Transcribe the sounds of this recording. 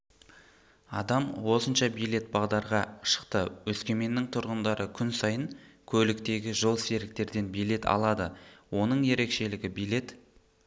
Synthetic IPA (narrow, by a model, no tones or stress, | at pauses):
ɑd̪ɑmwo̞sənʃɑbijle̞t̪̚bɑʁd̪ɑɾʁɑʃə̥qt̪əwɵskʲe̞me̞nːɪŋt̪ʰʊɾʁənd̪ɑɾʔəkʲʰʏnsɑjəŋkʲʰɵlɪkt̪e̞ɡʲɪʒo̞lˠse̞ɾɪk̚t̪e̞ɾd̪e̞nbijle̞t̪ɑ̰lˠɑd̪əwo̞nəɴje̞ɾe̞kʃe̞lɪɡʲɪbijle̞t̪